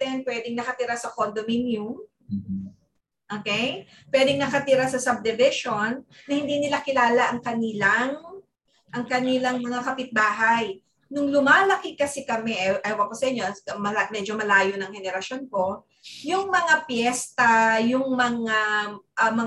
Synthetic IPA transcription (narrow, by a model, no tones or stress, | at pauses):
t̪ɛnpwɛd̪ɪŋnɐkɐt̪ɪɾasɐkond̪ominjum | ʔoːkɛj | pwɛd̪ɪŋnɐkɐt̪ɪɾasɐsɐb̚d̪ɛvɪʃo̞nːɐhɪnd̪inɪlakɪlaːlɐʔɐŋkɐnɪlaŋ | ʔɐŋkɐnɪlɐŋmɐŋakɐpɪt̪̚baːɦɐj | nʊŋlʊmaːlɐkɪkɐsɛkɐmɛʔɛʔɐjwɐkosɐʔɪɲːomɐamɛd͡ʒo̞mɐlaːjo̞nɐŋhɛnɛɾɐsjo̞nko̞ | jʊŋmɐŋapjɛst̪ɐjʊŋmɐŋaʔɐmɐ